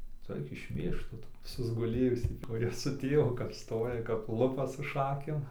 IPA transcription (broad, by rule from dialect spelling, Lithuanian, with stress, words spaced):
ˈtʊ ˈɐɪk ɪʃʲˈmʲeːʃk ˈtʊ sʊzɡʊˈlʲeːjʊsʲiː kʊˈrʲiɛ sʊ ˈtʲeːʋʊ kɐp ˈstoːjɛ kɐp ˈlˠʊpɐ sʊ ˈʃɑːkʲeːm